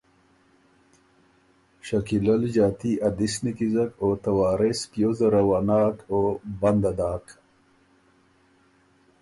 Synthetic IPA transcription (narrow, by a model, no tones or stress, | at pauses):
ɕakilɐld͡ʑaːt̪iʔɐd̪isnikizɐkot̪awaːɾespijozɐɾɐwaːnaːkoband̪ad̪aːk